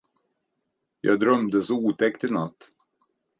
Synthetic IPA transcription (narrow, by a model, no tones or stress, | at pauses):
jɑ̰ːd̪ɾœmd̪əsɔuːt̪ʰɛkt̪ɪnat̪ː